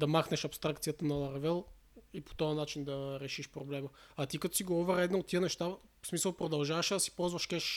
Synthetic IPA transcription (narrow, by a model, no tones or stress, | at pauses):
d̪ɐmaxnɛʃɐpst̪ɾakt̪sijət̪ənɐlˠɐɾvɛlˠ | ipo̥t̪ɔɐnat͡ʃind̪ɐɾɛʃiʃpɾoblɛməat̪ikɐt̪ɔ̥siɡoɔvɛɾɛd̪naot̪ːiənɛʃt̪a | smisəlˠpɾod̪ɐlˠʒavɐʃɛd̪ɐsi̥pɔlˠzvɐʃkɛʃ